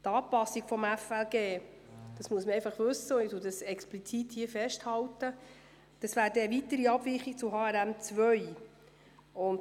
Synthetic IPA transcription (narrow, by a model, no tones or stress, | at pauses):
t̪ɑːpɑsːiɡ̥fɔmæfælɡeː | d̥ɑsmuəsməɾɛjfɑχʋɵsːəɪtuəd̥ɑsɛksplit͡sithiəfɛʃthɑwtə | d̥ɑsʋæːɾdɛːʋitəɾiɑb̥viːχik̚t͡suɦɑːæɾæmt͡sʋœɥ | ʊn